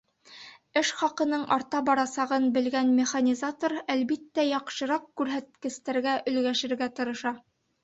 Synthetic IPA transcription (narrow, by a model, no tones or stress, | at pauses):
ɘʃχɑqɤ̆nɤɴɑɾt̪ɑbɑɾɑsɑʁɤnbɘ̆lɡænmʲeχanʲizat̪oɾælbit̪ːæjɑqʃɤ̆ɾɑqkʉɾɦæt̪̚kɘ̆st̪æɾɡæʔɵ̆lɡæʃɘ̆ɾɡæt̪ɤ̆ɾɤ̆ʃɑ